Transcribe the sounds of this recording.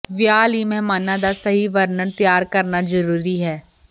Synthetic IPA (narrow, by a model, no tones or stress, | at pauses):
ʋjaːlimɛɦmaːnãd̪asəɦiʋəɾnəɾt̪əjaːɾkəɾnazəɾuːɾiɦɛː